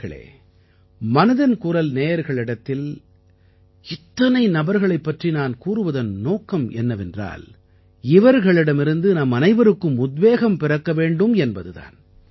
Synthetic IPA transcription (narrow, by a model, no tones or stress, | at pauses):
ɐɭḛː | mɐnɐðɐnkʊɾɐlneːjɐɾɣɐɭɪɽɐt̪ːɪl | ɪt̪ːɐnɐɪnɐbɐɾɣɐɭɐɪpːɐʈrinaːnkuːrɯʋɐðɐnnoːkːɐmɛ̰nːɐʋɛndra̰ːl | ɪʋɐɾɣɐɭɪɽɐmɪɾɯnd̪ɯnɐmɐnɐɪʋɐɾɯkːɯmʊd̪ʋeːɣɐmpɪrɐkːɐʋeːɳɖɯmɛnbɐðɯða̰ːn